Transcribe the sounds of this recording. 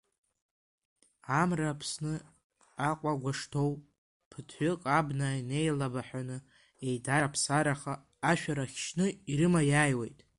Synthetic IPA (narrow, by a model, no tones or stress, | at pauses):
amrapʰsnɨ | aqʷʼaɡʷaʂtʰo̞w | pʰɨtʰħʷʏqʼabnaine̞jlabaħʷanɨ | e̞jdaɾapʰsaɾaχaː | ʃᶣaɾaχʲʃnɨiɾɨmajajwe̞jtʼ